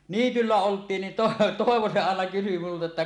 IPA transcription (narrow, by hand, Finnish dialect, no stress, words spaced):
niːtylːæ oltˑiːn nin to toˑeʋo se ɑˑenɑ kysy multɑ etːæ